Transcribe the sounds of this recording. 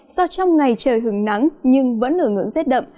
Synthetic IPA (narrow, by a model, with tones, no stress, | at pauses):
zɔ˧t͡ɕɔ˧wŋ͡mŋa˨˩jt͡ɕəː˨˩jɦɨ˨˧˩əŋna˨˦ŋɲɨ˧ŋvə̰˧˥nʔəː˧˩ŋɨ̰˧˥əŋzɛ˦˥t̚ɗə̰˧˨ŋ͡m